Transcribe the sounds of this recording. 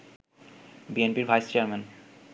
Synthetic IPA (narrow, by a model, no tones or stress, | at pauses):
bienpiɾvʱajst͡ɕeaɾmen